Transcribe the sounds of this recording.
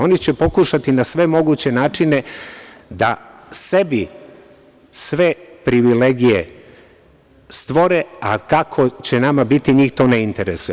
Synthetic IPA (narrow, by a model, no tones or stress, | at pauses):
o̞nit͡ɕe̞po̞kuʃat̪inasʋe̞mo̞ɡuːt͡ɕe̞naːt͡ʂine̞ | d̪asebi | sʋe̞pɾiʋileɡije | st̪ʋo̞ɾeakakʰo̞t͡ɕenamabit̪iɲiːxt̪o̞ːneint̪eɾesuj